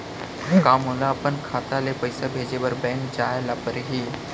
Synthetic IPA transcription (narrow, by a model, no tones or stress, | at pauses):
kaːmɦõːnd̪aɐpənkʰaːt̪alepəɪsabʱeːd͡ʒebəɾbɛ̃ːnd͡ʒaːelapəɾɦiː